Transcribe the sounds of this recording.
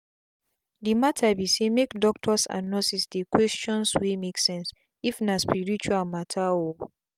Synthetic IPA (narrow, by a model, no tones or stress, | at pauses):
dimatʰabisemekdɔk̚tʰɔsa̰nɔsisdekwɛst͡ʃɔ̃nswimeksɛ̃ns | ifnaspiɹit͡ʃualmatʰao